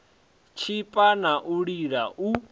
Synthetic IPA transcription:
t͡ʃʰipʼanaʔuɺiɺaʔu

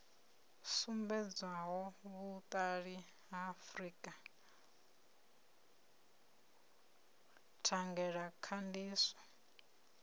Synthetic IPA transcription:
sumbɛd͡zwaɦɔβut̪ʼaɺi | ɦafɾikʼa | tʰaŋɡɛɺakʰandiːsɔ̥

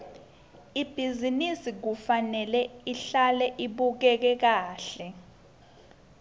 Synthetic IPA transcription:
ib̥ʱizinisik̬ufanɛlɛiɬalɛʔiɓuk̬ɛk̬ɛk̬aːɬɛ

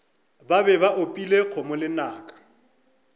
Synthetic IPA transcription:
babɛbaʔopʼilek͡xʰomʊlɪnaːkʼḁ

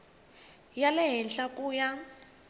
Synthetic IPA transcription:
jalɛɦɛnɬakʼuːja

